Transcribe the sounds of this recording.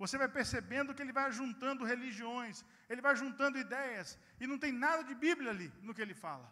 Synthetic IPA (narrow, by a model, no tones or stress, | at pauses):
vosevajpeɾsebẽnd̪ʊkɪelɪvajʒũnt̪ɐ̃nd̪ʊɦeliʒiõj̃s | elɪvajʒũnt̪ɐ̃nd̪ʊid̪ɛjɐs | ɪnɐ̃w̃t̪ẽj̃nad̪ɐd͡ʒɪbiblʲjɐaːlinʊkɪelɪfa̰lɐ̰